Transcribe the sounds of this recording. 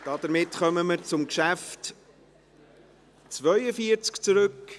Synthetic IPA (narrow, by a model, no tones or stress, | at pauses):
d̥ɑd̪̥əɾmɪtχœməməɾt͡sʊmkʃæft | t͡svœʏəfiəɾt͡skt͡suɾɵk